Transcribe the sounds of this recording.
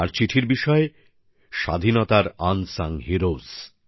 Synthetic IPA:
aɾt͡ɕiʈʰiɾbiʃɔe | ʃa̰d̪ʱinɔt̪aɾansaŋɦiɾoz

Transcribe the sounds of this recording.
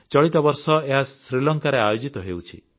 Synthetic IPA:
t͡ʃɔɭit̪ɔbɔɾsɔeɦasɾilɔŋkaɾeajod͡ʒit̪ɔɦewt͡ʃʰḭ

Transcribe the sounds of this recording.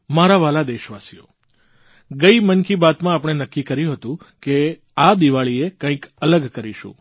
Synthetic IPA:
maɾaʋalad̪eʃʋasijo̰ | ɡəimənkibat̪mãːpɽ̃enəkːikəɾjũɦət̪ũ | ke | ad̪iʋaɭiekə̃ĩkələɡkəɾiʃṵ̃

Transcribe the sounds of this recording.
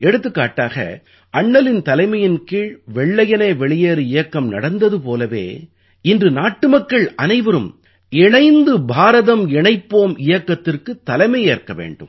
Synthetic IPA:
ɛɽɯt̪ːɯkːaːʈːaːɣɐ̰ | ʔɐɳːɐlɪnt̪ɐlɐɪmɐjɪnkiːɭʋɛɭːɐjɐnɐːʋɛɭɪjeːɾɯɪjɐkːɐmnɐ̰ɽɐnd̪ɐðɯpoːlɐʋḛː | ɪndrɯnaːʈːɯmɐkːɐɭɐnɐɪʋɐɾɯm | ɪɳɐɪnd̪ɯbʱaːɾɐðɐmɪɳɐɪpːoːmʔɪjɐkːɐt̪ːɪrkɯt̪ːɐlɐɪmɐɪjeːrkɐʋḛːɳɖɯ̰m

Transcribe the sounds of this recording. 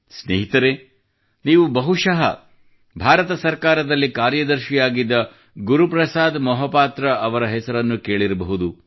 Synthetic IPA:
sneːɦit̪ɐɾeː | niːʋubɐɦuʂɐɦɐ̰ | bʱaːɾɐt̪ɐsɐɾkaːɾɐd̪ɐlːikaːɾjɐd̪ɐɾʃijaːɡid̪ːɐ | ɡuɾupɾɐsaːd̪mɐɦɐpaːt̪ɾɐʔɐʋɐɾɐɦɛsɐɾɐnːukeːɭiɾɐbɐɦud̪u

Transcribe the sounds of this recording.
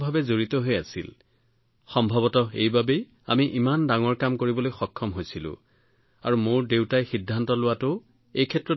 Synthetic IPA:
bʱabɛzoɹitɔɦojasḭl | xɔmbʱɔbɔtɔḛjbabej | a̰miʔimandaŋɔɹkamkoɹibɔlojxɔkʰːɔmɦojsilʊ̰̃ | aɹumoɹdewtajxidʱːantɔlʊwatʊ | ejkʰɛtɹɔ

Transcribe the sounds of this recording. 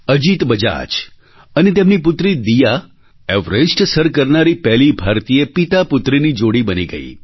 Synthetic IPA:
əd͡ʒit̪bəd͡ʒa̰t͡ʃ | ənet̪̬emnipʊt̪ɾid̪ija | ɛʋɾesʈsəɾkəɾnaɾipɛɦlibʱaɾt̪iepit̪apʊt̪ɾinid͡ʒoɽibəniɡə̰ḭ

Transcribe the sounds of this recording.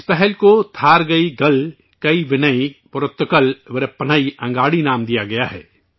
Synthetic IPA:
spɛɦɛlkot̪ʰaːɾɡɐiɡɐl | kɐiʋɪnɐipʊɾʊt̪ːkəlʋɪɾpɐnaiʔɐ̃ŋɡaːɽinaːmd̪ijaɡɐjaɦɛ̰ː

